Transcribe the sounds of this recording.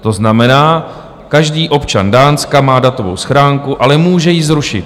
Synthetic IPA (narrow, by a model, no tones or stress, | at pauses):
t̪o̞znamɛnaː | kaʒdiːʔo̞pt͡ʃa̰ndaːnskamaːdat̪o̞vo̞̰wsxɾaːŋkuʔalɛmuːʒɛjɪzɾuʃɪ̰t̪̚